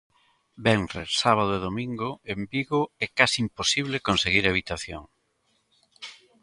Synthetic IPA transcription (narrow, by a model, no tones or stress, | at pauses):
bɛŋrḛsaβaðʊeðomĩŋɡʊembiɣʊɛkasiimposiβlekonseɣiɾaβ̞it̪aθjo̰ŋ